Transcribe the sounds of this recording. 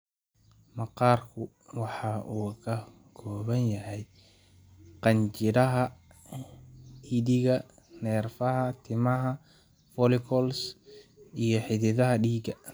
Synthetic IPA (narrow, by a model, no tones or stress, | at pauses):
mɑqɑːrkʰʊ | wɑħɑʔuːkʰɐ | kʰɔːβɐnjɐhɛj | qɑɲt͡ʃɪɾɐɦɐ | iːðɪɣɐ | nɛːrfɐɦɐt̪ʰɪmɐɦɐ | fɔlɪkʰɔls | ijɞħɪðɪðɐɦɐɖiːɡɐ